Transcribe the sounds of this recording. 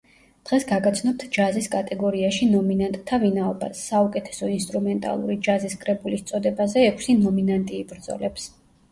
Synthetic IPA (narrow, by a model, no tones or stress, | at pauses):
d̪̥ʁɛsɡaɡat̪sʰnɔp̚t̪ʰd͡ʒaziskʼat̪ʼɛɡɔɾiaʃinɔminant̪ʼt̪ʰːavinaɔba̰sːaukʼɛt̪ʰɛ̥sɔinst̪ʼɾumɛnt̪ʼa̰lˠṵɾid͡ʒaziskʼɾɛbulist̪sʼɔd̪ɛbazɛːkʰsinɔminant̪ʼiːbɾd̪zɔ̰lɛps